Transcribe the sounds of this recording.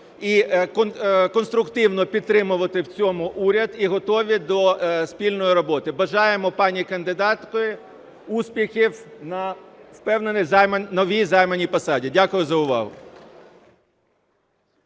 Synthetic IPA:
ikkɔnst̪ɾʊkt̪ɪwnɔpʲid̪t̪ːɾɪmʊʋɐt̪ɪwt͡sʲɔmʊʔuɾʲɐd̪iɦɔt̪ɔʋʲid̪ɔspʲilʲnɔjiɾɔbɔt̪ɪbɐʒɑjemɔpɑnʲikɐnd̪ɪd̪ɑt̪kɔjɪ | uspʲixʲiwnɐwpɛwnenɪzmnɔʋʲijzɑjmɐnʲipɐsɑdʲidʲakʊjʊzɐʊʋɑ̰ɦʊ̰

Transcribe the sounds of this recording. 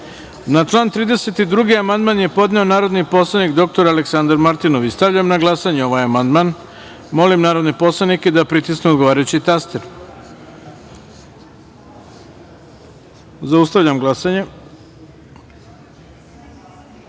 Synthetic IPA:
nat͡ʂlˠaːnt̪ɾiːd̪e̞set̪id̪ɾuɡiamand̪manje̞po̞d̪neo̞naːɾo̞d̪nipo̞slˠanikd̪o̞k̚t̪o̞ɾaleksand̪aɾmaɾt̪inoʋist̪aʋʎamnaɡlasaɲeo̞ʋajamand̪man | mo̞limnaːɾod̪nepo̞slˠaniked̪apɾit̪isneod̪ɡo̞ʋaːɾajut͡ɕit̪ast̪eɾ | zaust̪aʋʎamɡlˠasaɲe

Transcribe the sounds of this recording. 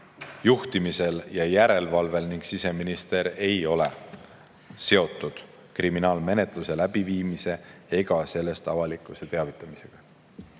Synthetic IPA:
juht̪imise̞ljɑjæɾe̞lvɑlve̞lniŋɡ̥sise̞minist̪e̞ɾe̞jo̞le̞ | se̞o̞t̪ːˑud̪̥ | kriminɑːlme̞ne̞t̪ˑluse̞læb̥iviːmise̞eɡ̥ɑse̞lːe̞st̪ɑvɑlikˑuset̪e̞ɑvit̪ˑːɑmise̞ɡ̥ɑ

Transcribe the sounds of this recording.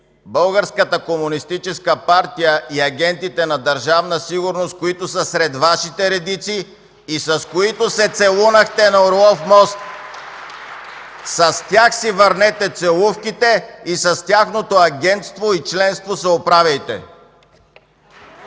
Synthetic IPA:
bəlˠɡəɾskət̪əkomunist̪it͡ʃɛskəpaɾt̪ijəʔiɐɡʲɛnt̪it̪ɛnɐd̪ɐɾʒavnəsiɡʊɾnost̪̚koit̪osɐsɾɛd̪vaʃit̪ɛɾɛd̪it̪siː | sɐskoit̪osɛt̪sɛlˠunɐxt̪ɛnɐoɾlˠɔfmɔst̪ | sɐst̪ʲjaxsivəɾnɛt̪ɛt̪sɛlˠufkit̪ɛisɐst̪ʲaxnot̪oɐɡʲɛnt̪st̪voit͡ʃlɛnst̪vosɛopɾavʲɐjt̪ɛ̰

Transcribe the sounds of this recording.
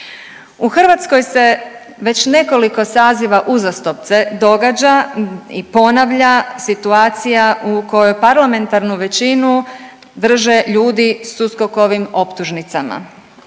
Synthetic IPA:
uxrʋat̪sko̞jse̞ | ʋe̞t͡ɕne̞ko̞liko̞saːziʋaʔuzast̪o̞p̚t̪se̞d̪o̞ɡad͡ʑaipo̞naʋʎasit̪uaːt̪sijaʔuko̞jojpaɾlame̞nt̪aɾnuʋe̞t͡ɕinu | d̪r̩ʒe̞ʎuːd̪isuskoko̞ʋimo̞pt̪uʒnit̪sama̰

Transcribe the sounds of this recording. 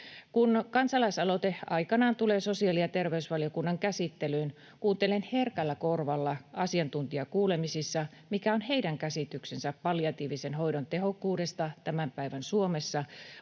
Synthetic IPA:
kunkɑnsɑlɑisɑlo̞t̪eɑ̰jkɑnɑːnt̪ule̞ːso̞siɑːlijɑt̪e̞rʋeysʋɑlijo̞kunːɑŋkæsit̪ːelyn | kuːnt̪e̞le̞nherkælːæko̞rʋɑlːɑɑsiɑnt̪unt̪iɑkuːle̞misisːɑ | mikæo̞nhe̞idæŋkæsit̪yksensæpːɑljɑt̪iːʋisenɦo̞jdont̪eɦo̞kːuːde̞st̪ɑt̪æmæmpæijʋænsuo̞me̞sːɑ

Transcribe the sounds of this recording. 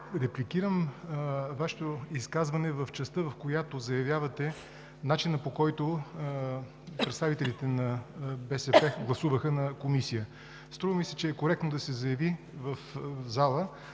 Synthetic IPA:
ɾɛplikiɾəm | vaʃɛ̥t̪oiskazvɐnɛvɐft͡ʃɛst̪əvɐfkojat̪ozɐjɐvjavɐt̪ɛ | nat͡ʃinəpokɔjt̪o | pɾɛt̪st̪avit̪ɛlʲit̪ɛnɐbɛsɛpɛɡlˠɐsuvəxənɐkomisijə | st̪ɾuvəmisɛt͡ʃɛːkoɾɛk̚t̪nod̪ɐsɛzɐjɐvi | vəfzalˠə

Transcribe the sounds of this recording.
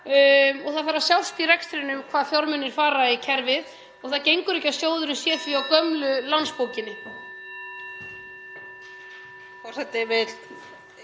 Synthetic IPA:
ɔɣθaðfaɾasjawsp̪irɛkst̪ɪɾɪnʏmkʰv̥aːðθjɔɾmʏnːɪɾ̥faːɾaicʰɛɾvɪð | ɔɣθaðcejŋkʏɾɛhcasjoːwðʏɾʏmsjɛːθiawkœmlʏlanspowcɪnːɪ | fɔ̥sɛt̪ɪvɪl

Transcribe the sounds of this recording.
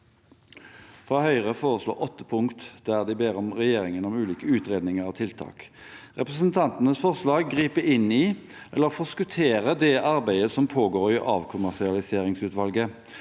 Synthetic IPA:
fʁɑːhœʏʁəfoːʁəslo̰ːʔɔt̪ːəpʰʊŋkt̪d̪̥æʁd̪ɪbeːɾɔmʁɛjeːʁɪŋənɔmʉːliːkəʉːt̪ʁeːd̪nɪŋəʁɑʋt̪ʰɪlt̪ʰɑ̰ːk | ʁɛpʁəsənt̪ʰɑnt̪ənəsfɔʁslɑːɡːʁiːpəʔɪniː | ʔɛlːəʁfɔskʉt̪ʰeːʁəd̪ɛʔɑɾbæɪəsɔmpʰoːɡoːʁɪʔɑ̰ːʋkʰʊmæʁʂɪɑlɪseːʁɪŋsʉːt̪ʋɑlɡə

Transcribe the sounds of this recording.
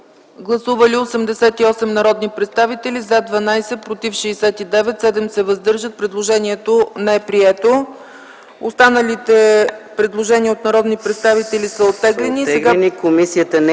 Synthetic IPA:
ɡlˠɐsuvəliosɛmd̪ɛsɛt̪iɔsɛmnɐɾɔd̪nipɾɛt̪st̪avit̪ɛlizad̪vɐnajsɛpɾot̪ifʃɛːsɛt̪id̪ɛvɛt̪sɛd̪ɛmsɛvɐzd̪ɤɾʒət̪̚pɾɛd̪lˠoʒɛniɛt̪onɛɛpɾiɛt̪o | ost̪anəlit̪ɛpɾɛd̪lˠoʒɛniəot̪nɐɾɔd̪nipɾɛt̪st̪avit̪ɛlʲisəot̪ːɛɡlɛniːsɛɡanikomisiət̪ən

